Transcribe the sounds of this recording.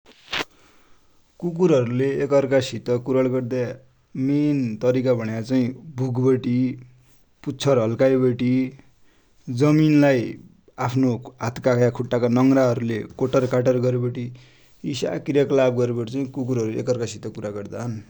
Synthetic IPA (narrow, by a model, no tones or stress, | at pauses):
kuk̬uɾɦʌɾuleekʌrkasit̪ʌkuɾʌɭɡʌrd̪a | ment̪ʌɾikabʱʌɽ̃jat͡saĩbʱuɡbʌʈi | put͡sʰʌrɦʌlkajbʌʈi | d͡zʌminlaj | apʰnoɦat̪kakʰjakʰuʈːakanʌŋraɦʌɾulekoʈʌrkaʈʌrɡʌɾebeʈi | isa̰kiɾjaklab̚ɡʌɾebʌʈit͡sʌĩkukuɾɦʌɾuekʌrkasit̪ʌkuɾaɡʌrd̪aɦʌn